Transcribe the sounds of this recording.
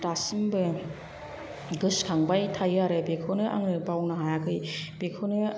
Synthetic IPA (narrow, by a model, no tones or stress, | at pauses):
tasɯmbɯ | ɡɯskʰaŋbajtʰajaɾɯbekʰɯnɯʔa̰ŋnɯbawnɯɦajakɯjbekʰɯnɯ